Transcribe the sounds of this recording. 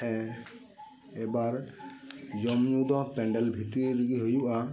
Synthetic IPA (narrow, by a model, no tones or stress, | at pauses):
ɛ | ɛbaɾ | d͡ʒɔmɲud̪ɔpɛɳɖɛlbʱit̪ɾiɡiɦojuʔa